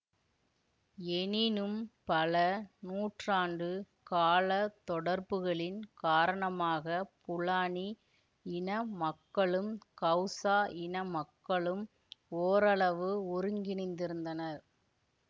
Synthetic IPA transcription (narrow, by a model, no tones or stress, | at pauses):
ɛnɪnɯmpɐlɐnuːʈraːnɖɯ | kaːlɐt̪ːɔɽɐɾbɯɣɐɭɪnkaːɾɐɳɐmaːɣɐpʊɭaːɳi | ɪnɐmɐkːɐɭɯmkɐʊsaːɪnɐmɐkːɐɭɯm | oːɾɐɭɐʋɯʊɾɯŋɡɪnɪnd̪ɪɾɯnd̪ɐnɐɾ